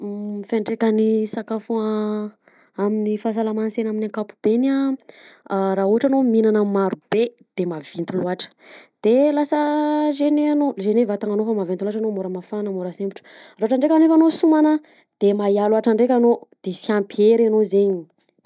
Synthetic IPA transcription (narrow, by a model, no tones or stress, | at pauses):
feɳɖ͡ʐekənisakafu | aminifas̬alamansenaminaŋkapu̥b̥enia | ɾaɦuɦaʈ͡ʂanominanamaɾub̥e | d̪̥emavint̪uluaʈ͡ʂə̥d̪̥elasəzeneanozenevat̪aŋanofamavent̪uluaʈ͡ʂanomoɾəmafanəmoɾasembuʈ͡ʂə̥raaʈ͡ʂaɳɖ͡ʐekanoefanosumanə | d̪̥emajaluaʈ͡ʂaɳɖ͡ʐekʲanod̪̥esiampieɾanozeɲi